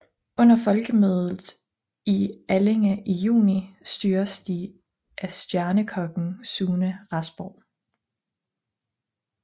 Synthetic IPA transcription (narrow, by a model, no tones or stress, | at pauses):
ɔ̽n̰ɐfɒ̽lɡ̥əmøːðˠðð̩ˠ | iæleŋæʔijṵːnisd̥yːɐsd̥i | ʔæsd̥jæɐnəkʰɒ̽ɡ̥ŋ̩suːnəʁɑsb̥ɒʊ̰